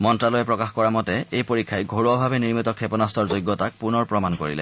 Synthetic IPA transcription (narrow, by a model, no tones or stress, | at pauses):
mɔntɹalojɛpɹɔkaxkɔɹamɔtɛejpoɹikʰːajɡʱoɹuɔbʱabɛniɹmitɔkʰɛpɔnastʰɔɹzojɡːɔtak̚punɔɹpɹɔmankoɹḭlɛ̰